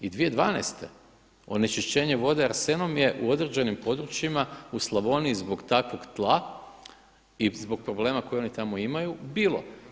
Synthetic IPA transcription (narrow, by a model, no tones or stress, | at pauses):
id̪ʋije̞d̪ʋaːnɛ̰st̪e̞ | o̞ne̞t͡ʃiʃt͡ɕe̞ːɲeʋo̞d̪eaɾse̞no̞mje̞ʔuo̞d̪ɾed͡ʑenimpo̞d̪ɾut͡ʃjimauslˠabo̞niːzbo̞ɡt̪akʋo̞ɡt̪lˠa | izbo̞ɡ̚pɾo̞ble̞ːmako̞jeo̞nit̪amo̞imajubiːlˠo̞̰